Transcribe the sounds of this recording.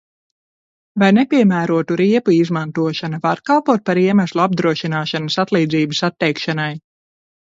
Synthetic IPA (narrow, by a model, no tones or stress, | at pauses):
vajnɛpʲiɛmæːɾuɔt̪uɾiɛpuizmant̪uɔʃanavaɾkalˠpuɔt̪̚paɾiɛmæslˠuab̚d̪ɾuɔʃinaːʃanəsat̪lˠiːd̪ziːbɨsat̪ːɛjkʃanaj